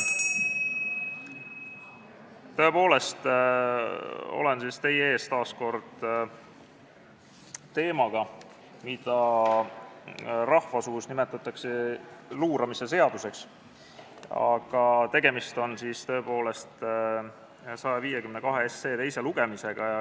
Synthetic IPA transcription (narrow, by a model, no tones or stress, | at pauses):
t̪ø̞e̞po̞ːle̞st̪ | o̞̰le̞nsist̪e̞jeeːst̪ɑːsko̞rd̪̥ | t̪e̞ːmɑɡ̥ɑ | mid̪̥ɑ | rɑhvɑsuːsnime̞t̪ːˑɑt̪ˑːɑkseluːɾɑmise̞s̬e̞ɑd̪̥use̞ks | ɑ̰ɡ̥ɑt̪e̞ɡ̥e̞mist̪o̞nsiːst̪ø̞epo̞ːle̞st̪ | sɑjɑviːjekymnekɑɦeesːeːt̪e̞jse̞luɡ̥e̞mise̞ɡ̥ɑjɑ